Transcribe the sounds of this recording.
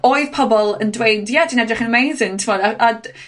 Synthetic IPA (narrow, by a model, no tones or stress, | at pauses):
oɨð̥pʰɔbɔlˠəndwejndjad̥iːnɛdrɪχənəmejzɪntʰmɔːdaʔa